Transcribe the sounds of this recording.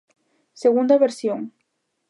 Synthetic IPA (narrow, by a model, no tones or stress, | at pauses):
seɣund̪ɐβeɾsjoŋ